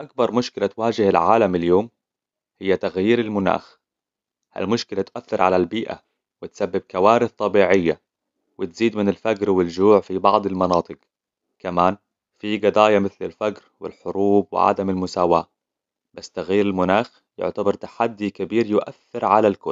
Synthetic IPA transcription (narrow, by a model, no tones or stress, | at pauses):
ʔak̚bɑɾˤmʊʃkɪlat̪waːd͡ʒɪhalʕaːlamɪljoːm | hɪjːat̪aɣjiːɾalmʊna̰ːx | ha̰lmʊʃkɪlat̪ʔaθːɪɾʕalalbiːʔa̰ | wɪt̪sabːɪb̚kawaːɾɪθt̪ˤɑbiːʕɪjːa | wɪt̪z̥iːd̪mɪnɪlfaɡɾwɪld͡ʒuːʕfibɑʕd̪ˤɪlmɑnɑːt̪ˤɨq | kamaːn | fiɡɑd̪ˤaːjamɪθlɪlfaɡɾwɪ̰lħʊɾuːb̚wɪ̰ʕa̰d̪amɪlmʊsaːwa̰ː | basːt̪aɣjiːɾɪlmʊnaːx | jʊ̰ʕt̪abɑɾˤt̪ḁħad̪ːikabiːɾjʊʔa̰θːɪɾʕalalkʊl